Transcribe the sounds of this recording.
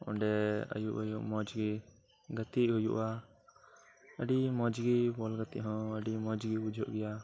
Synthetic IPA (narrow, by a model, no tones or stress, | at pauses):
ɔ̰ɳɖɛə̰juʔəjuʔmɔd͡ʒɡi | ɡət̪iʔɦujṵʔa | əɖimɔd͡ʒɡibɔlɡət̪iʔɦɔ̃əɖimɔd͡ʒɡibud͡ʒʱɔʔɡɛja